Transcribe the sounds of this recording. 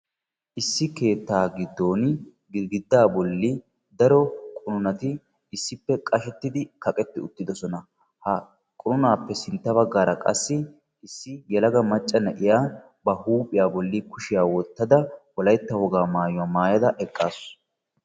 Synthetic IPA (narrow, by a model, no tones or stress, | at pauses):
ʔɪsːɪke̞ːt̪ːaːɡɪd̪ːo̞ːn | ɡɪɡɪd̪ːaːbɔlːi | d̪ɐɾɔkʼʊnʊnɐt̪ɪ | ɪsːɪpːɛkʼɐʃɛt̪ːɪd̪ɪkɐkʼɛt̪ːɪʊt̪ːɪd̪ɔsɔnɐ | hɐ | kʼʊnʊnaːpːɛsɪnt̪ːɐβɐɡːaːɾɐkʼɐ̰sːɪ | ɪsːɪjɛlɐɡɐmɐt͡ʃʼːɐnɛʔɪjaː | bɐhuːpʼɪjaːbɔlːɪkʊʃɪjaːwɔt̪ːɐd̪ɐwɔlɐjt̪ːɐhɔɡaːmaːjʊwaːmaːjɐd̪ɐʔɛkʼːaːs